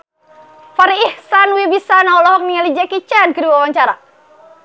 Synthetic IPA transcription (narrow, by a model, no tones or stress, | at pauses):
faɾiːhsanwibisanaɔlɔhɔk̚niŋalid͡ʒakit͡ʃankəduawaɲt͡ʃaɾa